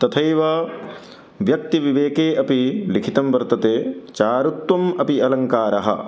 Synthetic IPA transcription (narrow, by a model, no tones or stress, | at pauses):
t̪ɐt̪ʰɐjʋɐ | ʋjɐk̚t̪iʋiʋeːkeːʔɐpilikʰit̪ɐmʋɐɾt̪ɐt̪eːt͡ʃaːɾut̪ʋɐmɐpiɐlɐŋkaːɾɐɦɐ̰